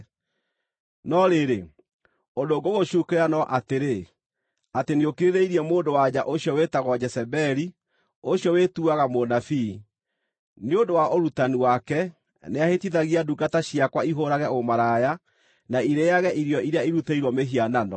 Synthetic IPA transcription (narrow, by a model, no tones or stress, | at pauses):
nɔɾeɾe | ondoɡoɣoɕukeɾanɔʔateɾe | ateneokeɾeðeiɾiɛmoːndowaɲaʔoɕjɔwetaɣwad͡ʑɛsɛbɛɾi | oɕijɔwetuaɣamonafi | neondowaʔoɾutaniwakɛ | neahetiðaɣiaduɡataɕiakwaiɦoɾaɣɛomaɾaja | naiɾeaɣɛʔiɾjɔiɾeaiɾutaiɾwɔmeɦiananɔ̰